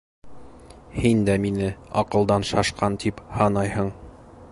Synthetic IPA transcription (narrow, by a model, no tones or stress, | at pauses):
hind̪æminɘɒ̰qɤ̆lˠd̪ɑnʃɑʃqɑnt̪iphɑnɑjhɤɴ